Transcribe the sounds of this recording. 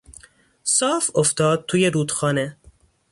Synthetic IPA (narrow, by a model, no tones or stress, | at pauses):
sɒːfoft̪ɒːd̪̚t̪ʰuːjeɾuːd̪̥xɒːne